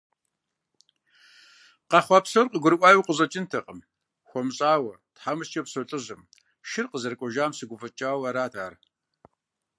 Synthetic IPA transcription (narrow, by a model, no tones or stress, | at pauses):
qɑχʷɑpsɐrqəɡʷʊɾɨʔʷaːjuwqəʑʼɐt͡ʃʼɪntʰɐqʼəm | xʷɔmɕʼaːwɐtħamɨst͡ʃʼɐpsɐɬʼɨʑɨm | ʃɪrqəzɐrkʷʼɔʒaːmsɨɡʷʊfɐt͡ʃʼaːwɐɾaːdʰaːr